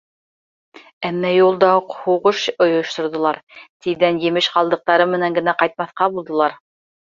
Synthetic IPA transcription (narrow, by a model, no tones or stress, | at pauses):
æmːæjulˠd̪ɑuqhuʁɤʃŏjŏʃt̪ŏɾðŏlˠɑɾt̪iðænjɘ̆mɘʃqɑlˠd̪ɤ̆q̚t̪ɑɾɤmɘ̆næŋɡɘ̆næqɑjt̪̚mɑθqɑbulˠd̪ɤ̆lˠɑɾ